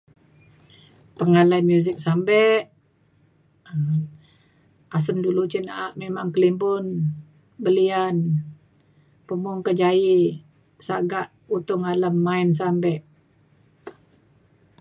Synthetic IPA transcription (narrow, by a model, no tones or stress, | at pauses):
pəŋalajmjuzɪk̚sambɛʔ | as̬əndulut͡ʃənaʔaʔmemaŋkəlimbʊn | bəlian | pəmʊŋkəd͡ʒai | saɡaʔ | ut̪ʊŋaləmːains̬ambɛʔ